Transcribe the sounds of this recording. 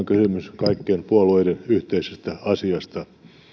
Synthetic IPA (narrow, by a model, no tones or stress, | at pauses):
ŋkysymyskɑikːeːmpuolueidenyht̪eisest̪æɑsiɑst̪ɑ